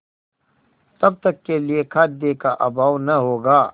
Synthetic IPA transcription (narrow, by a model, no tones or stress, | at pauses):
t̪ɐb̚t̪ɐkːeliekʰɐt̪̚d̪eːkaʔɐbaːwnɐɦoːɡaː